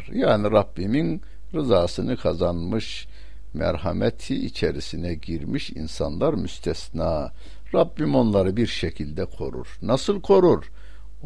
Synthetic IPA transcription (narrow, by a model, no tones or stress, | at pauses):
jaːniɾabːimin | ɾɯzaːsɯnɯkʰazanmɯʃ | mæ̰ɾhamɛt̪ʰiːt͡ʃʰeɾisinɛɟiɾmiʃḭnsanlˠaɾmyst̪ʰɛsnaː | ɾabːimo̞nlˠaɾɯbiɾʃecʰilʲd̪ɛkʰo̞̰ɾṵɾ̥nasɯlˠkʰo̞ɾuɾ